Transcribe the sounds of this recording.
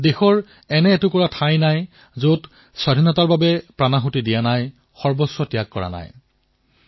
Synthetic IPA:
dexɔɹ | ɛnɛːtʊkɔɹatʰajnaj | zot | swadʱinɔtaɹbabɛpɹanaxutidijanaj | xɔɹbɔswɔtijakːɔɹa̰na̰j

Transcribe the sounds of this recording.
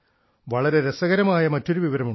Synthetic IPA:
ʋɐɭɐɾe̞ɾesɐɣɐɾɐmaːjɐmɐtːo̞ɾuʋiʋɐɾɐmu

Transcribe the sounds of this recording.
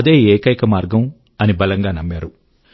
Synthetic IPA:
ɐd̪e̞ːɛːkɐjkɐmaːɾɡɐm | ɐnibɐlɐŋɡaːnɐmːaːɾu

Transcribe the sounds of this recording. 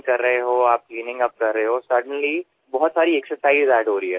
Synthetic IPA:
kɐɾːəɦeɦoːaːp̚kliːnɪ̃ŋɡɐp̚kɐɾːəɦeɦoːsɐɾɖənli | bɔɦʊt̪saːɾiɛksəɾsaːɪzɛːɖɦoːɾəiɦɛː

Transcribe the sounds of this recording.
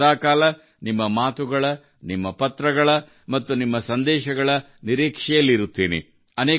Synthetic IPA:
aːkaːlɐ | nimːɐmaːt̪uɡɐɭɐ | nimːɐpɐt̪ːɾɐɡɐɭɐ | mɐt̪ːunimːɐsɐnd̪ɛːʃɐɡɐɭɐ | niɾiːkʂɛjɐlːiɾut̪ːiːnḭ | ɐneː

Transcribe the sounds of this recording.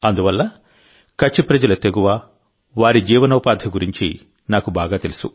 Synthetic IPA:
ɐnd̪uʋɐlːɐ | kɐt͡ʃːipɾɐd͡ʒɐlɐt̪eɡuʋaː | ʋaːɾid͡ʒiːʋɐnɐwɐpaːd̪ʱɐɡuɾiɲt͡ʃi | naːkubaːɡaːt̪e̞lusu

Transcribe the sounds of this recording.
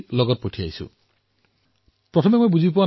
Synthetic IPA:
lɔɡɔt̚potʰiajsṵ | pɹɔtʰɔmemojbuzip̬uwa

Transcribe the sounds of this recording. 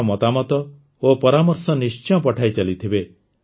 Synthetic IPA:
ɔmɔt̪amɔt̪ɔ | opɔɾamɔɾsɔnist͡ʃɔ̃pɔʈʰajt͡ʃalit̪ʰibe

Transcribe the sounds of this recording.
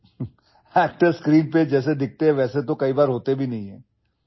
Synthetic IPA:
ɛːk̚ʈəɾskɾiːnped͡ʒɛːsed̪ɪk̚ʰt̪eɦɛ̃ʋɛːset̪okɐibaːɾɦoːt̪ebʱinɐɦĩɦɛ̃ː

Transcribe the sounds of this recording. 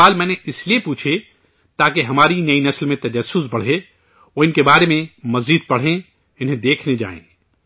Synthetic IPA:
aːlmɛ̃ːneɪsliepuːt͡ʃʰe | t̪aːkeɦɐmaːɾinɐinɐslmẽt̪ɐd͡ʒɐsːʊs̬bɐɽ̤e | oːɪnkebaːɾemẽmɐziːd̪̚pɐɽ̤ẽ | ɪnɦẽd̪eːkʰned͡ʒa̰ːḛ̃ː

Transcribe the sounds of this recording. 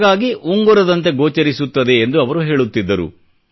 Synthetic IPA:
ɡaːɡiʔuŋɡuɾɐd̪ɐnt̪e̞ɡoːt͡ʃɐɾisut̪ːɐd̪e̞ːnd̪uɐʋɐɾuɦe̞ːɭut̪ːid̪ːɐɾṵ

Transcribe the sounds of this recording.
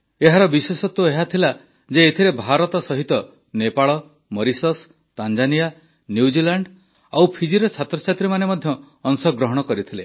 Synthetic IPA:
eɦaɾɔbisesɔt̪ueɦat̪ʰila | d͡ʒeːt̪ʰiɾebʱaɾɔt̪ɔsɔɦit̪ɔ | nepaɭɔ | mɔɾisɔs | t̪and͡ʒanija | njuud͡ʒilaɳɖ | awpʰid͡ʒiɾɔt͡ʃʰat̪ɾɔt͡ʃʰat̪ɾimanemɔd̪ʱjɔː | ŋsɔɡɾɔɦɔɽ̃ɔkɔɾit̪ʰile

